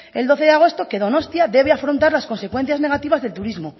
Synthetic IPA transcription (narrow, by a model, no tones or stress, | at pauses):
e̞ld̪o̞θeðeaɣ̞o̞st̪o̞ke̞ðo̞no̞st̪jaðe̞β̞eafɾont̪aɾlasko̞nse̞kwe̞n̟θjazne̞ɣ̞at̪iβazðe̞lt̪uɾizmo